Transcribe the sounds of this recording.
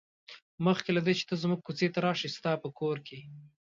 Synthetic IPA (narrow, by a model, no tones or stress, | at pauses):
məxkelad̪et͡ʃe̥t̪əzmuɡ̚kut͡set̪aɾɑʃist̪ɑpəkoɾkʰe